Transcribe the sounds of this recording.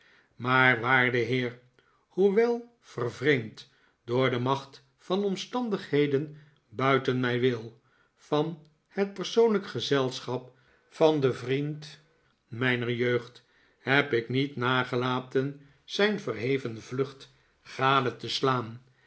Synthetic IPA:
maːɹʋaːɹdəɦɪːr | huʋɛlˠ | v̥ərvrejmt | dʊːɹdəmɑχt | fɑnɔmstɑndəχɦejdən | bœɥtənmɛjʋɪlˠ | fɑn | hət̚pəɹsownləkχəzɛlˠsχɑp̚ | fɑndəvrint | mɛjnəɹjøɥχt | hɛpɪknitnaːχəlaːtən | z̥ɛjnvərɦejvənvlɵχt | χaːdətəslaːn

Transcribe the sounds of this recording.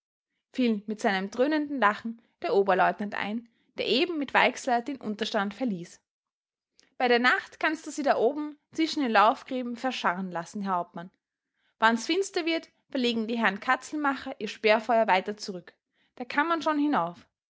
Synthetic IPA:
fiːlmɪtz̥aɪnəmdʁøːnəndn̩laχn̩ | d̥eːɐʔoːbɐlɔʏtnantʔa̰ɪn | d̥eːɐʔeːbm̩mɪtv̥a̰ɪkslɐd̥eːnʔʊ̰ntɐʃtantfɛɐliːs | b̥aɪɾeːɐnaχtkʰanstd̥uːz̥iːdaːʔoːbm̩t͡sɪʃn̩deːnlaʊfɡ̥ʁeːbm̩fɛɐʃaʁənlasn̩ɦɛɐhaʊp̚tman | vansfɪnstɐvɪɐt | fɛɐleːɡŋ̩diːɦɛɐnkʰat͡sl̩maχɐʔiːɐʃpeːɐfɔʏɐvaɪtɐt͡suʁʏk | d̥aːkʰamːanʃoːnhɪnaʊf

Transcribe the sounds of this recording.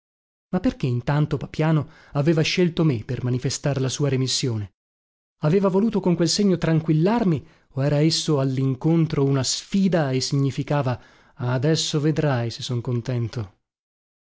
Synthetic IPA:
mapːerkeint̪ant̪opapjaːno | aveːvaʃelt̪omepːermanifest̪aɾlasuːaɾemisːjoːne | aveːvavoluːt̪okoŋkwelseɲːot̪ɾaŋkwilːarmi | oɛːɾaesːoalːiŋkont̪ɾounasfiːd̪aesːiɲːifikaːva | aːd̪ɛsːoved̪ɾajsesːoŋkont̪ɛnt̪o

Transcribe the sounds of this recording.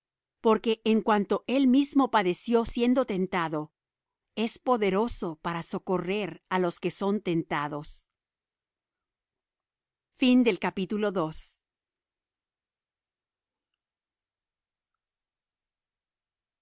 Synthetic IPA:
po̞ɾke̞ʔːŋkwant̪o̞ʔe̞lmizmo̞paðe̞sjo̞sje̞nd̪o̞t̪e̞nt̪aðo̞ | e̞spo̞ðe̞ɾo̞so̞paɾaso̞ko̞re̞ɾalo̞ske̞so̞nt̪e̞nt̪aðo̞s | find̪e̞lkapit̪ulo̞ðos

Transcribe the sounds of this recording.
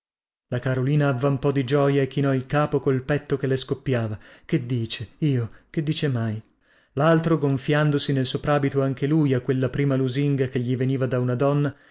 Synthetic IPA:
lakaɾoliːnaːvːampɔd̪id͡ʒɔːjaekːinɔilkaːpokolpɛt̪ːokelːeskopːjaːvaked̪ːiːt͡ʃeiːoked̪ːiːt͡ʃemaj | lalt̪ɾoɡoɱfjand̪osinelsopɾaːbit̪oaŋkelujakːwelːapɾiːmaluziŋɡakeʎːiveniːvad̪aunad̪ɔnːa

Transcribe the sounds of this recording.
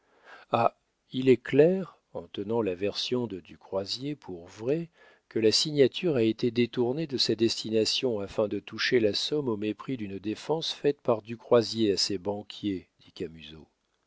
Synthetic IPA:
a | ilɛklɛʁ | ɑ̃t̪ənɑ̃lavɛʁsjɔ̃d̪əd̪ykχwazjepʰuʁvʁɛ | kəlasiɲjat̪ʰyʁaet̪ed̪et̪uʁned̪əsad̪ɛst̪inasjɔ̃afɛ̃d̪ət̪uʃelasɔmomepχid̪ynd̪efɑ̃sfɛt̪paʁd̪ykχwazjeasebɑ̃kʲjed̪̥ikʲamyzo̰

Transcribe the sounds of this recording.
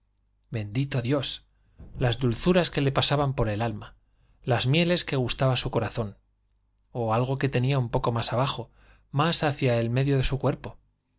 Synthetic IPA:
be̞nd̪it̪o̞ðjo̞s | lazd̪ulθuɾaske̞le̞pasaβampo̞ɾe̞lalma | lazmje̞le̞ske̞ɣ̞ust̪aβasuko̞ɾaθo̞n | oalɣ̞o̞ke̞t̪e̞niaumpo̞ko̞masaβ̞axo̞ | masaθjae̞lme̞ðjo̞ðe̞sukwe̞ɾpo̞

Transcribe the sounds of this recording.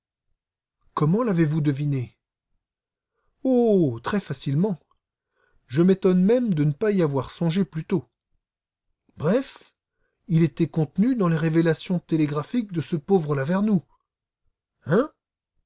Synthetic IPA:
kɔmɑ̃lavevud̪əvine | ot̪χɛfasilmɑ̃ | ʒəmet̪ɔnmɛmd̪ənəpaiavwaʁsɔ̃ʒeplyt̪o | bʁɛf | ilet̪ɛkɔ̃t̪nyd̪ɑ̃leʁevelasjɔ̃t̪eleɡʁafik̚d̪əsəpovʁəlavɛʁnu | ɛ̃

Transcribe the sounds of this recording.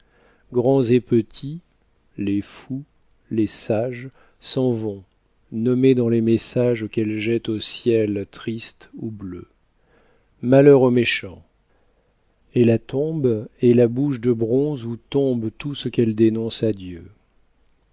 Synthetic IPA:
ɡʁɑ̃zepət̪ʰi | lefu | lesaʒ | sɑ̃vɔ̃ | nɔmed̪ɑ̃lemesaʒokɛlʒɛt̪osjɛlt̪χist̪ublø | malœʁomeʃɑ̃ | elat̪ɔ̃bɛlabuʃd̪əbʁɔ̃zut̪ɔ̃bt̪usəkɛld̪enɔ̃sad̪jø

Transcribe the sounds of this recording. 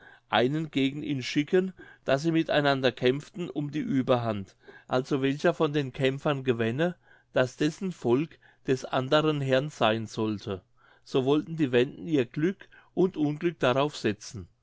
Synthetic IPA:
ʔaɪnənɡ̥eːɡŋ̩ʔḭːnʃɪkʰənd̥asziːmɪtaɪnandɐkʰɛmftn̩ʊmdiːʔyːbɐɦant | ʔalz̥ovɛlçɐfɔndeːnkʰɛmfɐnɡəvɛnə | d̥asd̥ɛsn̩fɔlk | d̥ɛsʔandəʁənɦɛɐnz̥aɪnzɔltʰə | z̥oːvɔltn̩diːvɛndn̩iːɐɡ̥lʏk | ʔʊntʔʊnɡlʏk̚d̥aʁaʊfz̥ɛt͡sn̩

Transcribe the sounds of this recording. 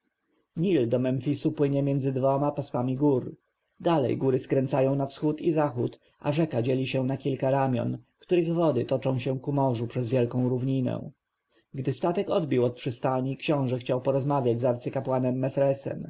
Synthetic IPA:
ɲild̪ɔmɛmfʲisupwɘɲɛmʲjɛnd̪zɘd̪vɔmapaswamʲiɡuɾ | d̪alɛ̰jɡuɾɘskɾɛnt̪sajɔ̃w̃nafsxut̪izaxut̪ | ʔa̰ʐɛkad͡ʑelʲiɕɛnakʲilkaɾamʲjɔ̰nkt̪uɾɘɣvɔd̪ɘt̪ɔt͡ʂɔ̃w̃ɕɛkumɔʐupʂɛzvʲjɛlkɔ̃w̃ɾuvɲinɛ̰̃ | ɡd̪ɘst̪at̪ɛkɔd̪bʲiwɔt̪̚pʂɘst̪aɲikɕɔ̃w̃ʐɛxt͡ɕawpɔɾɔzmavʲad͡ʑzaɾt̪sɘkapwanɛmːɛfɾɛsɛ̰m

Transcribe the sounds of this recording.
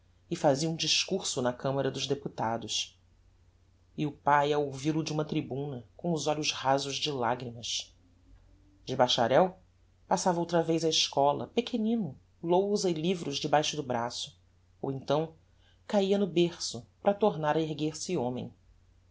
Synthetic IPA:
ɪfaziɐũd͡ʒiʃkuɾsʊnɐkɐ̃mɐɾɐd̪ʊʒd̪eput̪a̰d̪ʊʃ | ɪʊpajɐowvilʊd͡ʒɪũmɐt̪ɾibũnɐkõw̃ʊzɔʎʊʃhazʊʒd͡ʒɪlaɡɾimɐʃ | d͡ʒɪbaʃa̰ɾɛw | pasavɐowt̪ɾɐvejzɐɪʃkɔlɐ̰pekʰenĩnʊ | lowzɐɪlivɾʊʒd͡ʒɪbajʃʊd̪ʊbɾasʊ̥ | o̰wẽnt̪ɐ̃w̃ | kaiɐnʊbeχsʊpɾɐt̪oɾnaɾɐeɦɡeɾsɪõmẽj̃

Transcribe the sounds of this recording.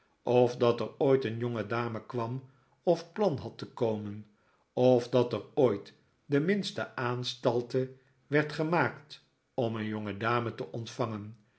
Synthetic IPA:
ʔɔfdɑtəɹoːjtənjɔŋədaːməkʋɑm | ɔfplɑnɦɑtχəkowmən | ɔvdɑtəroːjt | dəmɪnstə̰ʔaːnstɑlˠtə | ʋɛɹtχəmaːkt | ɔmənjɔŋədaːmətəʔɔntfɑŋən

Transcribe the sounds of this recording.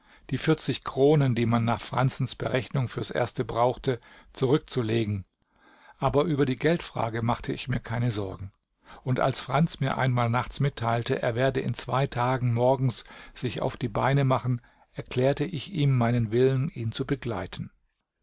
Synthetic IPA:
d̥iːfɪɐt͡sɪçkʁ̥oːnəndiːmanːaːχfʁ̥a̰nt͡sn̩sb̥əʁɛçnʊŋfyːɐsʔḛːɐstəbʁaʊxtə | t͡suʁ̞ʏk̚t͡suleːɡŋ̩ | ʔaːbɐʔyːbɐdiːɡɛltfʁ̥a̰ːɡəmaχtʰəɪ̰çmiːɐkʰaɪnəzɔɐɡŋ̩ | ʊntʔa̰lsfʁ̥ant͡smiːɐʔa̰ɪnmaːlnaχt͡smɪtʰːaɪltəʔḛːɐveːɐdəɪ̰nt͡sv̥aɪtʰaːɡŋ̩mɔɐɡŋ̩sz̥ɪça̰ʊfd̥iːbaɪnəmaχn̩ | ʔɛɐkʰl̥ɛːɐtəʔɪçiːmːaɪnənvɪləniːnt͡subəɡla̰ɪtʰn̩

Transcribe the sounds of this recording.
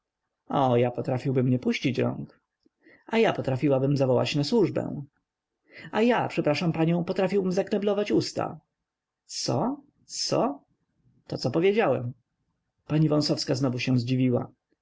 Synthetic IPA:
ɔjapɔt̪ɾafʲiwbɘmɲɛpuɕt͡ɕit͡ɕɾɔ̰ŋk | ajapɔt̪ɾafʲiwabɘmzavɔwa̰t͡ɕnaswuʐbɛ̰̃ | ajapʂɛpɾaʂampaɲɔ̃w̃pɔt̪ɾafʲiwbɘmzakɾɛblɔvat͡ɕust̪a̰ | sɔ̰ | sɔ | t̪ɔt̪sɔpɔvʲjed͡ʑawɛm | paɲivɔ̃w̃sɔfskaznɔvuɕɛ̃zd͡ʑivʲiwa̰

